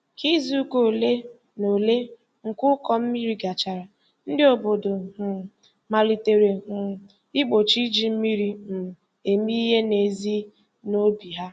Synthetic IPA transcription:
ki˦zi˦u˦ko˦˨le˦ | no˨le˦ | ŋ̩˨kʊ˦kɔ˦m̩˦mi˦ɾi˦ɡa˨t͡ʃa˨ɾa˨ | n̩˦dɪ˦o˨bo˨do˨ɦʊ˨ | ma˨li˨te˨ɾe˨ɦʊ˨ | ɪ˦k͡po˨t͡ʃi˦d͡ʒi˦m̩˦mi˦ɾi˨m̩˨ | e˨mi˦ɦe˦ne˨zi˦ | no˦bi˨ɦa˦

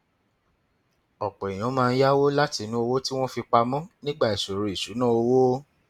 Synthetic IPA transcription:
ɔ˨k͡pɔ˨i˨j̃ɔ̃˨˦mãː˧n̩˦ja˦wo˦la˦ti˨˦nũ˦o˧wo˦ti˦w̃ɔ̃˦fi˧k͡pa˧mɔ̃˦nĩ˦ɡ͡ba˦˨i˨so˨ɾi˨i˨su˨˦nã˦o˧wo˦

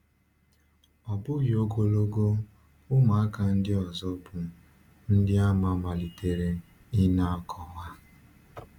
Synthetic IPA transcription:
ɔ˨bʊ˦ɣi˨o˦ɡo˦lo˦ɡo˦ | ʊ˦ma˨a˦ka˨n̩˦dɪ˦ɔ˨zɔ˦bʊ˨ | n̩˦dɪ˦a˦ma˨ma˨li˨te˨ɾe˦ | i˦na˦a˦kʰɔ˨wa˦

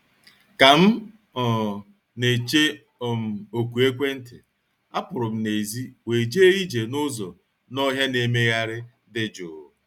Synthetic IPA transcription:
ka˨m̩˦ | ɔ˨ | ne˨t͡ʃe˦ | ɔ˨m̩˨o˨kʷu˨e˦kʷe˦n̩˦tɪ˨ | a˦pʊ˨ɾʊ˨m̩˦ne˨zi˦we˨d͡ʒe˦e˦i˦d͡ʒe˨nʊ˦zɔ˨ | nɔ˦ɦja˦ne˨me˦ɣa˦ɾɪ˦ | dɪ˦d͡ʒʊ̰˨

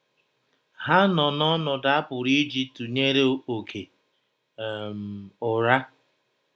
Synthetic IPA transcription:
ha˦nɔ˨nɔ˦nɔ˨da˦a˦pʊ˨ɾi˦d͡ʒi˦tu˨ɲe˦ɾe˦o˨kʰe˨ | m̩˨ʊ˨ɾa˦

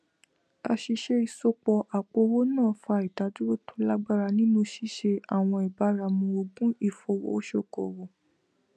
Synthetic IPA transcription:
a˧ʃi˧ʃe˦i˦˧˨so˧k͡pɔ˧ʔa˨k͡po˧wo˦nãː˦˨˦fa˧i˨ta˨˦d͡ʒu˦o˦tʰo˦la˦ɡ͡ba˦ɾa˧nĩ˦nũ˧ʃi˦ʃe˧a˦˨w̃ɔ̃˧i˨ba˨˦ɾa˧mũ˧o˧ɡ͡bũ˦i˦˨fɔ˧wo̰˨o˦ʃo˦˨kɔ̰˨wo˨

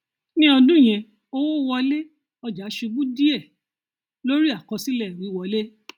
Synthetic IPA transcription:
nĩ˦ɔ˧dũ˦˨j̃ɛ̃˧ | o˧wo˦˧wɔ˧le˦ | ɔ˧d͡ʒa˨˦ʃu˧ɡ͡bũ˦di˦ɛ˦˨ | lo˦ɾi˦a˦˨kɔ̃˧si˦lɛ˦˨ɾi˨˦wɔ˧le˦

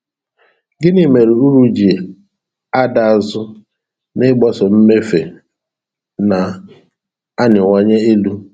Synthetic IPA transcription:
ɡɪ˦nɪ˨me˨ɾi˨u˦ɾu˦d͡ʒi˨ | a˦da˨a˨zʊ˦ | nɪ˦ɡ͡bɔ˦sɔ˨m̩˦me˦fe˨ | na˨ | a˦nɪ˨ŋɔ˦ɲe˦e˦lu˦

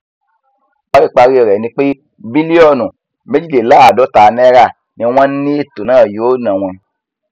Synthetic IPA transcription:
k͡pa˦ɾi˦˨k͡pa˧ɾi˦ɔ˨ɾɛ˨nĩ˧˦k͡pe˦ | bi˦li˦ɔ˦˨nũ˨ | me˦d͡ʒi˦˨le˨la˦a˨dɔ˦ta˨nɛ˦ɾa˦˨ | nĩ˨˧˦w̃ã˦n˦ni˦e˦˨to˨nã˦˨jo˨˦nã˨w̃ɛ̃˧

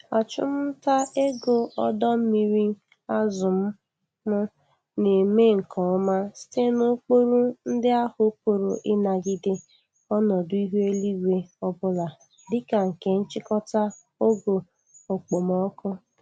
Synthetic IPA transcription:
a˨t͡ʃʊ˦m̩˦ta˦e˦ɡo˨ɔ˦dɔ˦m̩˦mi˨ɾi˦ | a˦zʊ˨m̩˦ | mʊ˦ | ne˨me˦ŋ̩˨kʰɔ˨˦ma˦si̥˦te˦no˦k͡po˦ɾu˦n̩˦dɪ˦a˦hʊ˨˦po˨ɾo˨ʔɪ˦na˨ɡɪ˦dɪ˦ | ɔ˦nɔ˨dʊ˦i˦ɦu˦e˦li˦ɡʷe˨ɔ˦bʊ˦la˨ | dɪ˦ka˨ŋ̩˨ke˨n̩˦t͡ʃɪ˦kɔ˦ta˦ | o˦ɡo˨ | o˨k͡po˨mɔ˦kʊ˦

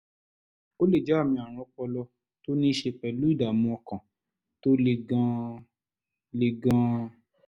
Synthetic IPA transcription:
o˦le˦˨d͡ʒɛ˨˦a˦˨mĩ˧a˨ɾ̃ɔ̃˧k͡pɔ˧lɔ˧ | to˦nĩ˦ʃe˧pɛ˨lu˨˦i˦˨da˨mũ˧ɔ˧kã˨ | to˦le˨ɡã˧ | le˨ɡã˧

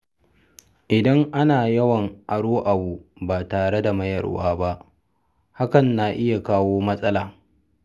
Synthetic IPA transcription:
ʔɪ˨dɐ˦ŋʔa˦naː˨jɐ˦wɐ˨ŋʔa˨ɽoː˦ʔa˨buː˨baː˨taː˨ɽe˦da˨mɐ˦jɐ̰˨rwa̰ː˦ba˦ʔ | ha˦kɐ˨nːa˨ʔɪ˦ja˨kaː˦woː˦mɐ˦sʼɐ˦laː˨

